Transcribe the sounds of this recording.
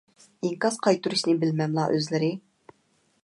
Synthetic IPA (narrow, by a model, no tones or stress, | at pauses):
ɪŋkɑsqʰɑjt̪uɾuʃnɪbɪlmɛmlˠɑʔøzlɪɾɪ